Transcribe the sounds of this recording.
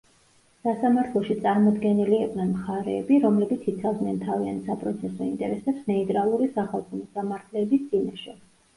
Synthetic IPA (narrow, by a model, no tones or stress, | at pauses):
sasamaɾt̪ʰlˠɔʃit̪sʼaɾmɔd̪ɡɛniliɛqʼnɛnmχaɾɛːbiɾɔmlɛbit̪sʰit̪sʰavd̪nɛnt̪ʰaviant̪sapʼɾɔt̪sʰɛsɔint̪ʼɛɾɛsɛpsnɛit̪ʼɾalˠuɾisaχalˠkʰɔmɔsamaɾt̪ʰlɛːbisd̪z̥inaʃɛ